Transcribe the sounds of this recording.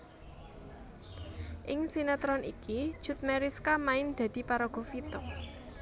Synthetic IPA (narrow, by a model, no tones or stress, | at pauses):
ʔɪŋsinat̪ɾɔnḭkid̥ʒ̥ṳt̪̚mɛɾiskamaɪnd̪̥a̤d̪̥i̤paɾɔɡ̥ɔ̤fit̪ɔ